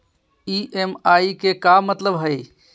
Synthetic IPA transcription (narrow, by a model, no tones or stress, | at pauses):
iʔemaikekamət̪ləbɦəj